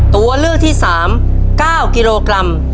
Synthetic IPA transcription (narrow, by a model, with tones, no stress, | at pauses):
t̪u˧ɐlɯː˥˩k̚t̪ʰiː˥˩saː˩˦m | kaː˥˩wkiː˧loː˧kɾa˧m